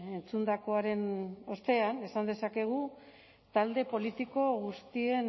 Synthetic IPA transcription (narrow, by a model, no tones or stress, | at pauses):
e̞nt͡sund̪ako̞aɾe̞no̞st̪e̞ane̞sand̪e̞sake̞ɣ̞u | t̪ald̪e̞po̞lit̪iko̞ɣust̪ie̞n